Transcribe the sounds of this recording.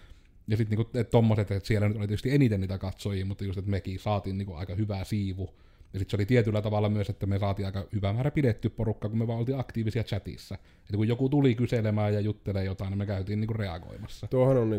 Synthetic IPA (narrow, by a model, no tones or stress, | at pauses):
jɑsit̪niːŋkuett̪omːoset̪ːet̪sielːænyt̪olit̪et̪yst̪ienit̪eniːt̪ækɑt̪soˑijiːmut̪ːɑjust̪et̪mekisɑːt̪iːnniːkuʔɑ̰ˑikɑhyʋæsiːʋu | jɑsit̪seolit̪iet̪ylːæt̪ɑʋɑlːɑmyøset̪ːæmesɑːt̪iːʔɑˑikɑhyʋæmæːræpidet̪ːyːpporukːɑːkumyøʋɑˑeʔolt̪iːʔɑkt̪iːʋisiæt͡ʃæt̪ḭsːæ | et̪ːækujokut̪ulikyselemæːjjɑjut̪ːeleːjot̪ɑˑinːemmekæˑyt̪iːniŋkurreɑ̰ɡo̰imɑsːɑt̪uohononni